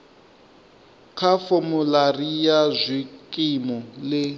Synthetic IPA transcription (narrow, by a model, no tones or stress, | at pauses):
kʰafomularijazʷikʼimɔlɪ